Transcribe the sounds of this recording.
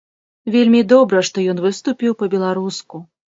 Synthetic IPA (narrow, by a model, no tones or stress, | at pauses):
vʲelʲmʲid̪ɔbɾɐʂt̪ɔjɔnvɨst̪upʲiwpɐbʲɛlˠaɾusku